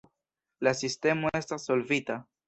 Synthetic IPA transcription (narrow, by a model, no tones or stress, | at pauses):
lasiste̞moe̞stasːo̞lvita